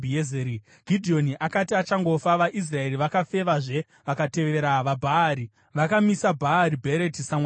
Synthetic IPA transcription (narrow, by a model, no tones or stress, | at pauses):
iezeɾi | ɡ̥ʱidʱio̞niʔakatiat͡ʃaŋɡo̞faʋaʔis̬rae̞riʋakafe̞ʋaʐe̞ | ʋakate̞ʋe̞ɾaʋabʱaːɾi | ʋakamisabʱaːɾibʱeɾetisama